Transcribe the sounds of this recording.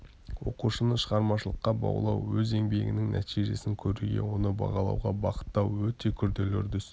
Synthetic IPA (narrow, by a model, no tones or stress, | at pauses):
wo̞quʃənəʃəʁɑɾmɑʃəlˠəqːɑbɑ̰wlˠɑwːɵze̞ŋbe̞ɡʲɪnɪŋnʔæ̰t̪ʰijʒe̞sɪŋkʲʰɵɾuɡʲe̞̰wo̞nəbɑ̰ʁɑlˠɑ̰wʁɑbɑqə̥t̪ːɑwwɵt̪e̞kʲʰʏɾd̪elɵɾd̪ʏs